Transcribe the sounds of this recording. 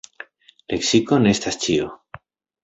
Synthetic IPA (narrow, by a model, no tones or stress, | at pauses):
le̞ksiko̞neestast͡ʃio